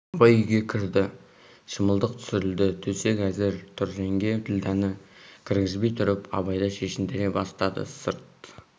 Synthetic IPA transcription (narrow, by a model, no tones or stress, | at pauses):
ɑbɑjʏjɡʲe̞kʲʰɪɾd̪ɪ | ʃəməlˠd̪əq̚t̪ʰʏ̥sɪɾɪld̪ɪt̪ʰɵse̞kæzɪɾt̪ʰʊɾʒe̞ŋɡʲe̞t̪ʰɪld̪ænɪkʲʰɪɾɡʲɪzbe̞jt̪ʰʊɾɪpɑ̰βɑjd̪ɑʃe̞ʃɪmd̪eɾebɑst̪ɑd̪ə̰səɾt̪̚